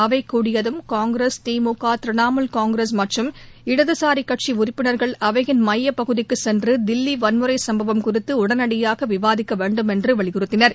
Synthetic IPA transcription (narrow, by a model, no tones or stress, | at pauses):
ɐʋɐɪkːuːɽɪjɐðɯmkaːŋɡɾeːst̪iːmuːkːaːt̪ɪɾɪnaːmɐlkaːŋɡɾesmɐʈrɯmɪɽɐðɯsaːɾikːɐʈ̚t͡ʃiʊrɪpːɪnɐɾɣɐɭɐʋɐɣɪnmɐjːɐpɐɣɯðɪkːɯsɛndrɯd̪ɪlːiʋɐnmɯɾɐɪsɐmbɐʋɐmkʊrɪt̪ːɯʊɽɐnɐɽɪjaːɣɐʋɪʋaːðɪkːɐʋeːɳɖɯmɛndrɯʋɐɭɪɣɯɾɯt̪ːɪnɐɾ